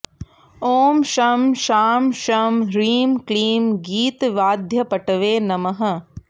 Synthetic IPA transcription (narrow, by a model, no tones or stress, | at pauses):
oːmʃɐmʃaːmʃɐːmɾiːmkɭiːmɡiːt̪ʋaːd̪ʱjɐpɐʈɐʋeːnɐmɐɦɐ̆